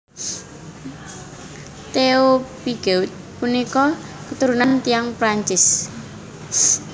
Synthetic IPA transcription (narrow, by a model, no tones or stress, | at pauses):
t̪eopiɡ̥eut̪̚punikɔkət̪uɾunant̪ijaŋpɾaɲt͡ʃɪs